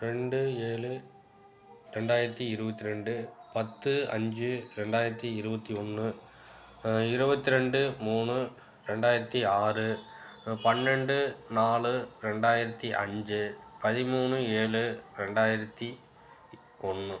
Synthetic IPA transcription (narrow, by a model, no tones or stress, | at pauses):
ɾɛɳɖɯeːɭɯ | ɾɛɳɖaːjɪɾɐt̪ːiɪɾɯbɐt̪ːiɾɛɳɖɯpɐt̪ːɯɐ̰ɲd͡ʒɯɾɛɳɖaːjɪɾɐt̪ːiɪɾɯbɐt̪ːiɔnːɯ | ɪɾɯbɐt̪ːiɾɛɳɖɯmuːnɯ | ɾɛɳɖaːjɪɾɐt̪ːiaːrɯ | pɐnɾɛɳɖɯnaːɭɯɾɛɳɖaːjɪɾɐt̪ːiʔɐ̰ɲd͡ʒɯpɐðɪmuːnɯeːɭɯɾɛɳɖaːjɪɾɐt̪ːi | ɔnːɯ